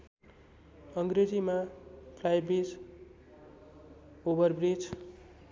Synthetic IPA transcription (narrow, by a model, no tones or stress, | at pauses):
ʌŋɡred͡zimapʰlajbid͡z | obʌrbrid͡z